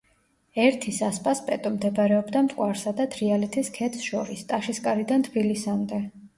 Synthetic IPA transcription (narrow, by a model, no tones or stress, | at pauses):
ɛɾt̪ʰisaspʼaspʼɛt̪ʼɔmd̪ɛbaɾɛɔbd̪amt̪ʼqʼwaɾsad̪at̪ʰɾialɛt̪ʰiskʰɛt̪ʰsʃɔɾist̪ʼaʃiskʼaɾid̪ant̪ʰbilisamd̪ɛ